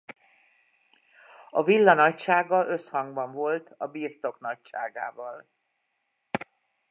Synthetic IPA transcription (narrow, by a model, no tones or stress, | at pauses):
ɒvilːɒnɒcʃaːɡɒʔø̞shɒŋɡbɒɱvo̞lt̪ɒbiːrt̪o̞knɒcʃaːɡa̰ːvɒl